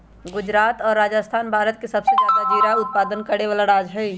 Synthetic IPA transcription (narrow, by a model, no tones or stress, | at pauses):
ɡʊd͡ʒɾaːt̪ɔːɾːaːd͡ʒəst̪ʰaːnbʱaːɾət̪̚kesəbsed͡ʒjaːd̪ad͡ʒiːɾaʊt̪̚paːd̪ənkəɾeʋaːlaɾaːd͡ʒɦɛː